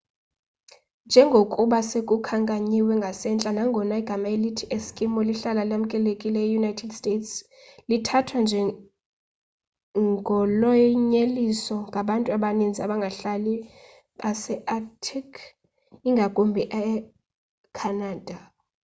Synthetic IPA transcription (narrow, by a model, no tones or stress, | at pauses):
nd͡ʒʱɛŋɡʱokʼuɓasekʼukʰaŋkʼaɲiwɛŋɡʱasɛnt͡ɬʼanaŋɡʱɔnaiɡ̥ʱamaelitʰiʔeskʼimɔliɬalalam̩kʼɛlekʼilɛjɛjunajtʰɛdstʼetʰs | litʰatʰwand͡ʒʱɛ | ɡʱɔlɔɲelisɔŋɡʱaɓantʼuaɓanind͡zʱiaɓaŋɡʱaɬali | asɛʔatʰikʰ | iŋɡʱakʼombʱiʔɛ | kʰanaːd̥ʱa